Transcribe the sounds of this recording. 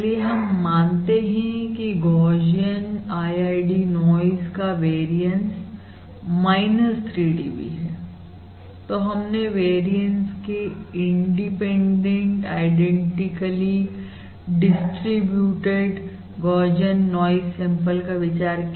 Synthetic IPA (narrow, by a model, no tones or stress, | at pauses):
lieɦɐmːãːnt̪eɦĩkiɡɔːd͡ʒijənaːjaːɪɖinɔːɪzkaʋeːɾijə̃ns | maːɪnəst̪ʰɾiːɖḭːbḭɦɛː | t̪oɦɐmneʋeːɾijə̃nʈskiɪ̃ɳɖipẽːɳɖẽɳʈaːɪɖɛ̃ɳʈɪkəli | ɖɪsʈɾibjuːʈeɖ | ɡɔːɾd͡ʒənːɔːɪzːɛ̃mpəlkaʋɪt͡ʃaːɾk